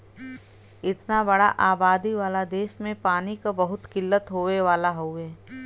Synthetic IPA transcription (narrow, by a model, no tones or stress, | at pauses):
ɪt̪nabɐɽaʔaːbaːd̪iʋaːlad̪eːʃmẽpaːnikabɐɦʊt̪kɪlːət̪ɦoːʋeʋaːlaɦoeː